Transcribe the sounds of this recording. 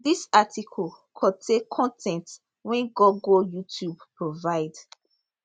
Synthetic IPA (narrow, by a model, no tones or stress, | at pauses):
disatikʰɔl | kʰɔtʰekkʰɔ̃ntʰɛ̃nt | wɛ̃nɡɔɡɔjutʰjubpɹovaɪd